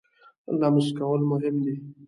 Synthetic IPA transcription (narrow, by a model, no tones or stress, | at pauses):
lɑmɪʃkawəlmʊɦɪmd̪i